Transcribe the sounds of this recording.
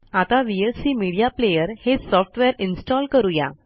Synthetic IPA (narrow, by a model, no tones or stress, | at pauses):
at̪aʋielsiːmiɽijaplejəɾhesɔfʈʋeɾinsʈɔlkəɾuja̰